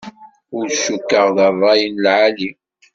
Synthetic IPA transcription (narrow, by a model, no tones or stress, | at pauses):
ʊɾʃːukːəʁðərˤːɑjənlʕali